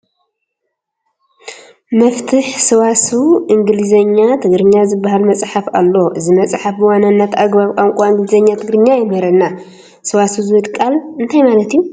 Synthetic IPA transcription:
mɐft̪ʰɨħsɨwasuʔɨŋɡɨlɨzɐɲːat̪ʰɨɡɾɨɲːazɨbːaɦalmɐt͡sʼħafa̰lːoʔɨzɨmɐt͡sʼħafwananːat̪aɡbaβkʼamkʷʼaɨŋɡɨlɨzɐɲːat̪ʰɨɡɾɨɲːajɛmɐɾɐnːa | sɨwasuzɨwɨt̪kʼalɨnt̪ʰajmalɐt̪ju

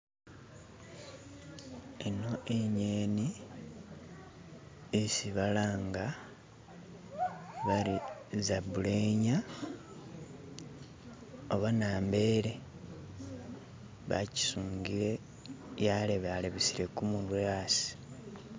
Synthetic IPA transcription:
eno̞ʔeɲeːni | isiβalaːŋɡa | βaɾizabuleɲa | oβanaːmbe̞ɾe̞ | βa̰ci̥suːŋɡiɾe̞ | jaleβaleβisiɾe̞kumulwaːsi̥

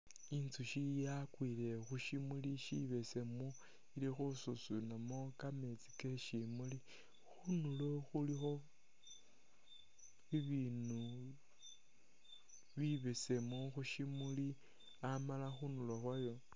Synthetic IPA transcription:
int͡suʃijakwilexuʃimuliʃiβe̞semo | ilixususunamokame̞t͡si̥keʃimuli | xunulo̞xulixo̞ | iβiːnu | βiβe̞semoxuʃimuli | amalaxunuloxwajo

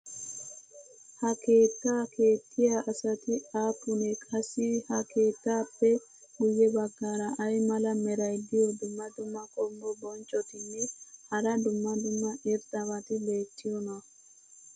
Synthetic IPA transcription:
hɐkʰe̞ːt̪ːaːkʰe̞ːt̪ʰːɪjaʔɐsɐt̪ɪaːpːʊnɛkʼɐsːɪhɐkʰe̞ːt̪ːaːpːɛ | ɡʊjːɛbɐɡːaːɾɐʔɐjmɐlɐmɛɾɐjd̪ɪjɔd̪ʊmːɐd̪ʊmːɐkʼɔmbɔbɔnt͡ʃʼːɔt̪ɪnːɛhɐɾɐd̪ʊmːɐd̪ʊmːɐʔɛɾt̪ʼːɐmɐt̪ɪbe̞ːtːɪjɔn

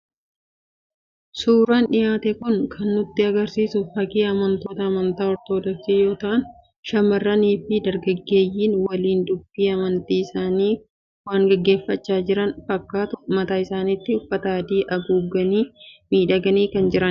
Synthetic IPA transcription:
suːɾaːnᶑɪjaːt̪ɛkʊŋkʰɐnːʊt̪ːɪɐɡɐɾsiːsʊfɐkiːɐmɐnt̪o̞ːt̪ɐːmɐnt̪aːɔɾt̪o̞ːd̪ɔksiːjo̞ːt̪ɐʔɐn | ʃɐmɐrːɐniːfɪd̪ɐɾɡɐɡːe̞ːjːiːnwɐliːnd̪ʊb̥ːiːɐmɐnt̪iːɪsaːniː | waːŋɡɐɡːe̞ːfːɐt͡ʃːaːd͡ʒɪɾɐnfɐkːaːt̪ʊmɐt̪aːɪsaːnɪt̪ːɪʊfːɐt̪aːd̪iːʔɐɡuːɡːɐniːmiːᶑɐɡɐniːkɐnd͡ʒɪɾɐn

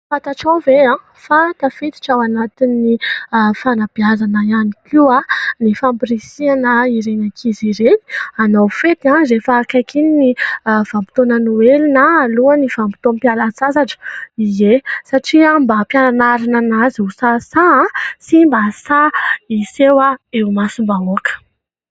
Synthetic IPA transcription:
fat̪aʈ͡ʂawveã | fat̪afit̪i̥ʈ͡ʂawanat̪inːifanab̥iazanəianikʲianifampiɾisianəiɾenakʰiziɾeni̥anawfet̪ãɾefakajkʰininiv̥ampi̥t̪onənuelinaːluaniv̥ampi̥t̪ompjalat͡sazaʈ͡ʂə̥izesaʈ͡ʂiambapjananaɾananazusasaãsimbasaisewaemasimbaoakə̥

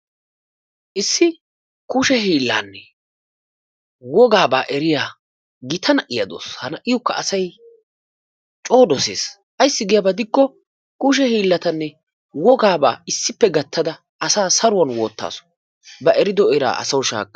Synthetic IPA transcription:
ʔɪsːɪ | kʊʃɛɦiːlːa̰ːnːɛ | wɔɡaːba̰ːʔɛɾɪjaː | ɡɪt̪ʰɐnɐʔɪjɐd̪o̰ːshɐnɐʔɪjʊkːɐɐsɐj | t͡ʃʼo̞ːd̪ɔseːs | ʔɐjsːɪɡɪjɐbɐd̪ɪkːɔ | kʊʃ̬ɛhiːlːɐt̪ɐnːɛ | wɔɡaːba̰ːɪsːɪpːɛɡɐt̪ʰːɐd̪ɐ | ʔɐsaːsɐɾʊwɐnwoːt̪ːa̰ːsɔ̥ | bɐʔɛɾɪd̪ɔɔɾa̰ːʔɐ̰sɐwʊʃa̰ːkʼːɐ̥

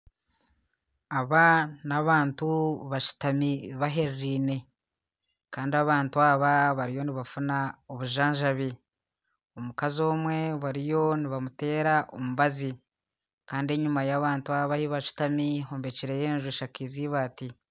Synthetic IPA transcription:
aβanaβaːntuβaʃu̥tamiβaɦeɾɾiːne̞ | kaːndiaβaːntuaːβaβaɾijo̞niβafunaoβuʒaːɲʒaβi | omukazo̞ːmwe̞βaɾijo̞niβamute̞ːɾaʔomuβazi | kaːndie̞ɲumajaβaːntuaβahiβaʃu̥tamiɦoːmbe̞ciɾejeːnʒuʃakiːziβaːti

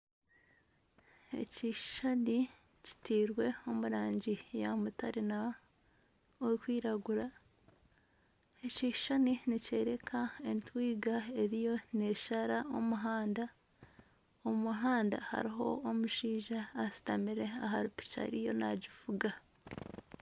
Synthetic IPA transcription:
e̞̰ciʃʃani | ci̥tiːɾwe̞o̞muɾaːɲɟijamutaɾina | wekwiːɾaɡuɾa | e̞ciːʃʃaninice̞ːɾe̞kʰae̞ntwiːɡae̞ɾijo̞ne̞ʃaɾao̞muɦaːnda | omuɦaːnda̰ha̰ɾiɦo̞̰ːmuʃiːʒaːsi̥tamiɾe̞aɦaɾupi̥ca̰ɾijo̞̰na̰ɟifuɡa

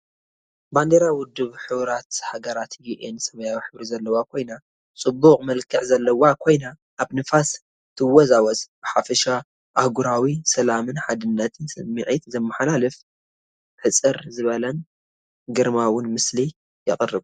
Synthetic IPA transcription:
band̪eɾawʊd̪ːɨβħɨβɾat̪haɡɐɾat̪jiʔensɐmɐjawiħɨβɾizɐlːɐwakʰo̞jna | t͡sʼɨbːuqʼmɐlkʰːɨʕzɐlːɐwakʰo̞jna | ʔːβnɨfas | t̪ʰɨwɔzawɐt͡sʼb̥ɨħafɐʃa | ʔahɡuɾawisɐlamɨnħad̪ɨnːɐt̪ʰɨnsɨmɨʕit̪zɐmːaħalalɨf | ħɨt͡sʼɨɾzɨβɐlɐn | ɡɨɾmawʊnmɨsli | jɪqʼɨrɨβu

